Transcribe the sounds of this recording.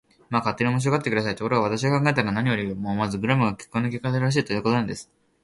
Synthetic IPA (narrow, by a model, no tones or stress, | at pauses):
maːkat̪ːe̞ɲʲĩo̞mo̞ɕ̬ioɡat̪ːekɯd̪asait̪oko̞ɾo̞ɡaβat̪aɕ̬iɡakãŋɡaet̪aɾanaɲ̟ijo̞ɾʲimoːmazɨɡɯ̟ɾamɯ̟ɡakʲe̥kːonok̬ʲekːat̪eɾɾaɕ̬iːt̪o̞jɯ̟ːko̞t̪o̞nãnd̪e̞sɨ̥